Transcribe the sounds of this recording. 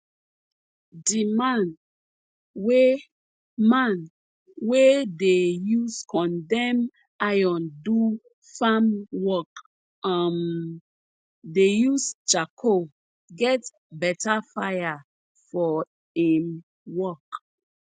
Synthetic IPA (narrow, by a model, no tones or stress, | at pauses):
dimãn | we | mãn | wedejuskʰɔ̃ndɛ̃m | ajɔ̃ndu | famwɔk | am | dejust͡ʃakʰo | ɡɛt | bɛtafaja | fɔ | ĩm | wɔk